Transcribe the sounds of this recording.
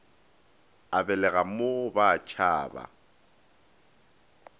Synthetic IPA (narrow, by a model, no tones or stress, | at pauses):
abɛlɛɣaobat͡ʃʰaːba̰